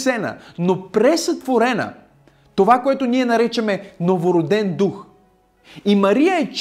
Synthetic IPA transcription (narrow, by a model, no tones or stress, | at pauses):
sɛnə̰nopɾɛsɐt̪voɾɛnə̰ | t̪ovakoɛt̪oniɛnɐɾɛt͡ʃɐmɛnovoɾod̪ɛnd̪ux | imɐɾijəɛt͡ʃ